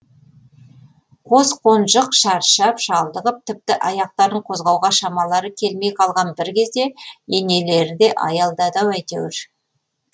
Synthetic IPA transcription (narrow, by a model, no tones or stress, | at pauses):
qʰo̞zqʰo̞nʒəqʃɑɾʃɑpʃɑlˠd̪əʁəp̚t̪ʰɪp̚t̪ɪʔɑjɑq̚t̪ɑɾd̪əɴqʰozʁɑwʁɑʃɑmɑlˠɑɾəkʲʰe̞lme̞jqʰɑlˠʁɑnbɪɾkʲʰe̞zd̪e̞ene̞le̞ɾɪd̪e̞ʔɑ̰jɑlˠd̪ɑd̪ɑwæjt̪ḛwɪɾ